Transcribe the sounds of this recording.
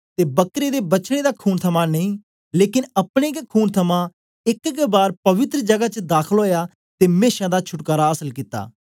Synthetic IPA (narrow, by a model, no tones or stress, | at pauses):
t̪eːbəkɾeːd̪eːbəːʃɽ̃eːd̪aːkʰuːnt̪ʰəmãːnəĩː | leːkɪnəpɽ̃eːkkʰuːnt̪ʰəmãː | ɪkkbaːɾpəʋɪt̪ɾd͡ʒəɡaːt͡ʃd̪aːkʰəlɦoːjaː | t̪eːmeːʃãːd̪aːt͡ʃʰʊʈkaːɾaːəsəlkiːt̪ːa̰ː